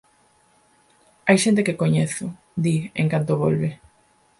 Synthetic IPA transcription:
ajʃent̪̬ekekoɲeθo | d̪iḛŋkant̪oβ̞o̰lβe

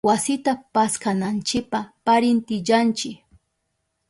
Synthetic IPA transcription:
wasɪt̪apaskanant͡ʃɪk̚papaɾɪnt̪ɪʎant͡ʃɪk

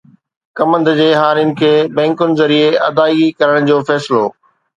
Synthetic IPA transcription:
kɐmə̃nd̪d͡ʑeːɦaːɾiɪnɪ̆kʰeːbɛ̃ːŋkʊnɪ̆zɐɾieɐd̪aːikɐɾəɽ̃d͡ʑoːfɛːsɪloː

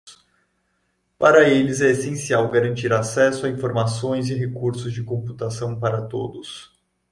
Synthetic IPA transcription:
paɾɐelɪzɛesẽsiawɡaɾɐ̃nt͡ʃiɾasɛsʊaĩfoɾmasõj̃zɪɦekuɾsʊzd͡ʒɪkõmput̪asɐ̃w̃paɾɐt̪o̰d̪ʊs

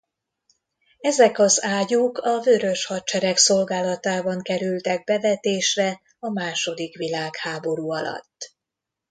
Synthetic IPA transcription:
ɛzɛkɒzaːjukɒvøːɾø̞ʃhɒt͡ʃɛɾɛkso̞lɡaːlɒt̪aːbɒŋkɛɾylt̪ɛɡ̚bɛvɛt̪eːʃrɛ | ɒmaːʃo̞d̪ikʋilaːkhaːbo̞ɾuːɒlɒ̰t̪ː

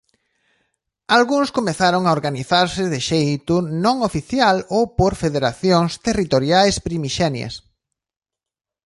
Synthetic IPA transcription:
alɣuŋskomeθaɾoŋaoɾɣaniθaɾsɪðɪʃejt̪ʊnõŋofiθjalowpoɾfeðeɾaθjoŋst̪erit̪oɾjajspɾimiʃɛnjɐ̰s

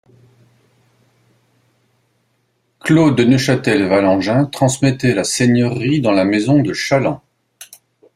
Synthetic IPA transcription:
klod̪ənəʃat̪ɛlvalɑ̃ʒɛ̃t̪χɑ̃smɛt̪ɛlaseɲœʁid̪ɑ̃lamezɔ̃d̪əʃalɑ̃

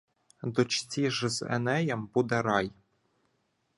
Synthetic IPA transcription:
d̪ɔt͡ʃt͡sʲiʒɪzɛ̰nɛjɐmbud̪ɛɾɑj

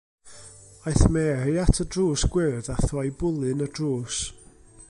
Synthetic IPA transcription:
ajθmɛːrejatʰədruːsɡ̥wɪrdaθɔjbʊlˠɨnədruːs

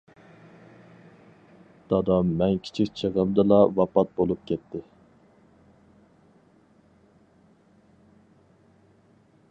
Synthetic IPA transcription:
d̪̥ɑd̪ɑmːɛnkʲʰi̥t͡ʃʰikʲt͡ʃʰəʁəmd̪ɨlˠɑvɑpɑt̪̚bolˠup̚kʲɛt̪ʰːɪ

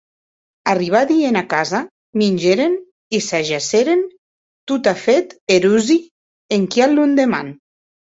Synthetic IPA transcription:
ariβ̞aðienakaza | minʲd͡ʒeɾen | isaʒaseɾen | t̪ut̪afet̪eɾuzi | eŋkialːund̪ema̰n

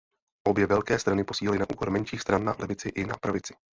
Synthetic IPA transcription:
ʔo̞bjɛvɛlkɛːst̪ɾanɪpo̞siːlɛlɪnaʔṵːko̞ɾmɛnʃiːxst̪ɾanːa̰lɛvɪt͡sɪʔɪnapɾavɪt͡sɪ̥

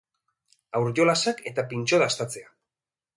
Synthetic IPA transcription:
awɾʝo̞lasake̞t̪apinʲt͡ʃo̞ðast̪at͡se̞a

